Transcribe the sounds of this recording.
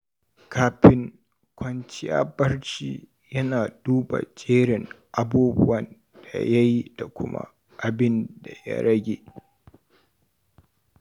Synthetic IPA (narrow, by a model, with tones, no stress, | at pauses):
kaː˦ɸɪ˦ŋ | kʷɐ˦nt͡ʃɪ˦ja̰ː˦bɐ˦rt͡ʃiː˦ | jɐ˦naː˨duː˦ba̰˨t͡ʃʼeː˦ɽɪ˨ŋʔa˦buː˦bʊ˦wɐ˨n | d̥a˨ja˦ji˦d̥a˨kʷʊ˦ma̰˦ | ʔa˨bɪ˦nda˨ja̰˦ɽɐ˦ɡʲeː˨